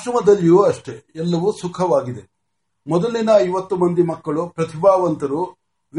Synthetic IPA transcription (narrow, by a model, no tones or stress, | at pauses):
ʃɾɐmɐd̪ɐlːjuɐʂʈe̞ɛlːɐʋuːsukʰɐʋaːɡid̪e | mɔd̪ɐlːinɐːjʋɐt̪ːumɐnd̪imɐkːɐɭupɾɐt̪ʰibaːʋɐnt̪ɐɾu | ʋ